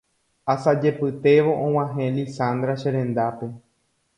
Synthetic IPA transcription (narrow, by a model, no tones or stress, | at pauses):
asad͡ʒe̞pɨt̪eʋoʔõw̃ãɦẽlisãnd̪ɾaʃeɾẽ̞nd̪ape